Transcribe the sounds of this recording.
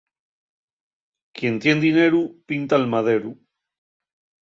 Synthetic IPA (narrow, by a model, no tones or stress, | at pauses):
kje̞nt̪je̞nd̪ine̞ɾupint̪almað̞e̞ɾu